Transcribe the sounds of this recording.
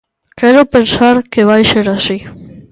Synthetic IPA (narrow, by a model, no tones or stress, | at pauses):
kɛɾopensaɾkeβajseɾasi